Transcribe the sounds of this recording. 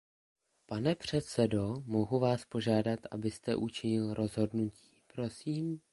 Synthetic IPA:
panɛpr̝̥ɛt̪sɛdo̞mo̞ɦuvaːspo̞ʒaːdat̪ʔabɪst̪ɛ̰ʔut͡ʃɪɲɪlɾo̞zɦo̞dnuci̥ːpɾo̞siːm

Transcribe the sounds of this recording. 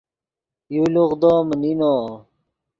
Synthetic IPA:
juluʁd̪oːmninoː

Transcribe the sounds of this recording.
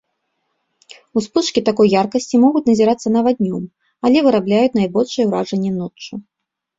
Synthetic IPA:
uspɨʂkʲit̪akɔjːarkɐsʲt͡sʲimɔɣut͡sʲnɐzʲiɾat̪sːɐnɐvad̪ʲnʲɔm | alʲɛvɨɾablʲajut͡sʲnajbɔlʲʂɨjɛwɾaʐɐnʲːɛnɔt͡ʂːu

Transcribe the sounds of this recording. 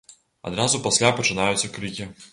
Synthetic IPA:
ɐ̰d̪ɾazʊpɐsʲlʲapɐt͡ʃɨnajʊt̪sʲːɐkɾɨkʲi

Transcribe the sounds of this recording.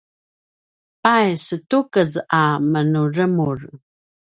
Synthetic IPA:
pajsətukəzamənurəmur

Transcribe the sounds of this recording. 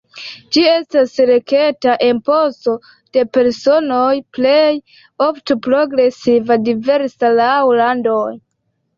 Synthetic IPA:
d͡ʒie̞stasɾe̞ke̞taʔenpo̞so̞ | d̥e̞pe̞ɾso̞no̞jplej | oftopɾo̞ɡɾe̞sivadive̞ɾsalawlandoj

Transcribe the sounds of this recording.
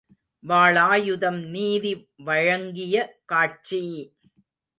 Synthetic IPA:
ʋaːɭaːjʊðɐmniːði | ʋɐɻɐŋɡɪjɐkaːʈ̚t͡ʃi

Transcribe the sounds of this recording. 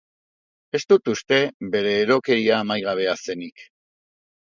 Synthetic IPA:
e̞st̪ut̪ust̪e̞βe̞ɾe̞ːɾo̞ke̞ɾiaːmajɣaβ̞e̞ase̞nik

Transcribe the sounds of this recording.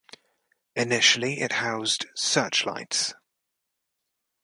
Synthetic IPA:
ɪnɪʃəliɪ̰ʔhaʊzd̥sɜˑt͡ʃla̰ɪts

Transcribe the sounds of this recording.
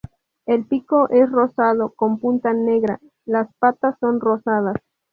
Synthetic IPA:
e̞lpiko̞ʔe̞sro̞sað̞o̞ko̞mpunt̪ane̞ɣɾa̰ | laspat̪asːo̞nrosað̞as

